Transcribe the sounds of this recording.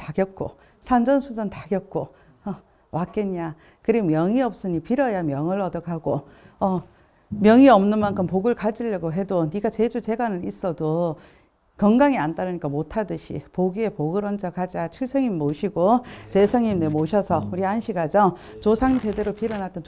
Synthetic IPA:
taɡjʌt̚k͈o̰ | sʰand͡ʑʌnsʰud͡ʑʌntaɡjʌt̚k͈o | ʌ | wak͈eɲːa | kɯɾiɡmjʌŋiʌp̚s͈ɯɲipiɾʌjamjʌŋɯɭʌdʌkʰaɡoʌ | mjʌŋiʌmnɯnmankʰɯmpoɡɯɭkad͡ʑiʎːʌɡoɦe̞doniɡat͡ɕe̞d͡ʑut͡ɕe̞ɡanɯnis͈ʌdo | kʌŋɡaŋiant͈aɾɯɲik͈amotʰadɯɕʰḭpoɡie̞poɡɯɾʌnd͡ʑʰʌkad͡ʑat͡ɕʰiɭs͈ʰeŋimmoɕʰiɡot͡ɕe̞sʰʌŋimnemoɕʰʌsʰʌuɾianɕʰiɡad͡ʑʌ | t͡ɕosʰaŋte̞de̞ɾopiɾʌnat͈ʌn

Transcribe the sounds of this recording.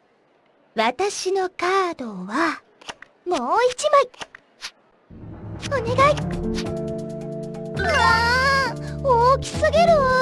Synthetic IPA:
βat̪aɕino̞kaːd̪o̞βa | moːit͡ɕimai | one̞ɡai | a | oːkʲi̥sɨɡe̞ɾɯ

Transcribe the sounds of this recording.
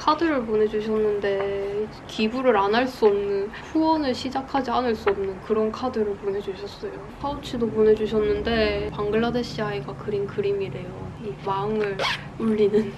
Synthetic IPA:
kʰadɯɾɯɭp̬one̞d͡ʑuɕ̬ʰʌnːɯnde̞ | kibuɾɯɾanaɭs͈uʌmnɯnɸuwʌnɯɭɕʰid͡ʑakʰad͡ʑianɯɭs͈uʌmnɯnkɯɾʌnkʰadɯɾɯɭponɦe̞d͡ʑuɕʰʌs͈ʌjokʰaut͡ɕʰidopone̞d͡ʑuɕʰʌnːɯnde̞paŋɡɯɭːadeɕʰiaiɡakɯɾinkɯɾimiɾe̞joimaɯŋɯɭ | uɭːinɯn

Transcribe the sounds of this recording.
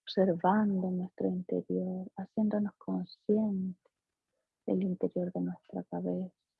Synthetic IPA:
oβseɾβand̪onwest̪ɾoint̪ḛɾjoɾasjend̪o̞noskʰonsjent̪e | ðḛlint̪eɾjoɾðenwest̪ɾakaβesḁ

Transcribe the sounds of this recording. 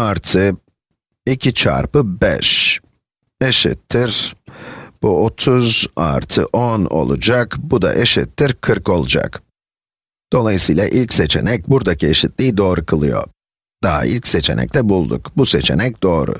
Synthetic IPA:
aɾt̪ʰɯ | icʰit͡ʃʰa̰ɾpɯbɛ̰ʃ | eʃḭt̪ʰːiɾ̥ | b̥uot̪ʰuza̰ɾt̪ʰɯ̰ʔono̞̰lˠṵd͡ʒakbud̪a̰ʔeʃit̪ʰːiɾkʰɯɾko̞lˠud͡ʒa̰k | d̪̥o̞lˠajɯsɯjlʲˠa̰ʔilʲcse̞t͡ʃʰe̞̰nɛc̚buɾd̪acʰieʃit̪lʲiːd̪o̞ːɾukʰɯlˠɯjo̞̰ | d̪̥aɦa̰ʔḭlʲcset͡ʃʰe̞nɛ̰c̚t̪ʰɛbulˠd̪ṵkbuse̞t͡ʃʰe̞̰nɛc̚d̪o̞ːɾʊ̰

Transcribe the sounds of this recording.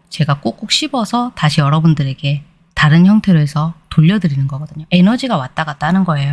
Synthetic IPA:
t͡ɕe̞ɡak͈ok͈ok̚ɕ͈ʰibʌsʰʌtaɕʰijʌɾʌbundɯɾe̞ɡe̞ | taɾɯnçjʌŋtʰe̞ɾoɦe̞sʰʌtoʎːʌdɯɾinɯnɡʌɡʌdɯɲoe̞nʌd͡ʑiɡawat͈̚aɡat͈̚aɦanɯnɡʌe̞jo

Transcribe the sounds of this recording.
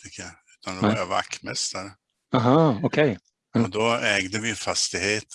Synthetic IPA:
ɪkʰːaʉ̟ːt̪ʰand̪ɛaava̰kːmɛst̪aɾə | aɦɑɔkʰɛj | ɔd̪ɔɛːɡd̪əvɪfast̪ɪheːt̪

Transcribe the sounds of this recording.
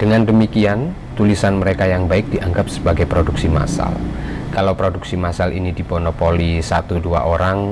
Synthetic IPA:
d̥əŋandəmikian | t̪ulisanməɾekajaŋbaɪk̚d̥iʔaŋɡap̚sə̥baɡajpɾoduksima̰sa̰lkalawpɾoduksimasalḭnidiponopolisat̪udua̰ʔoɾaŋ

